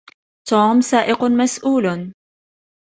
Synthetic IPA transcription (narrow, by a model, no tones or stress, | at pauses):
t̪uːmsaːʔɪqmasʔuːl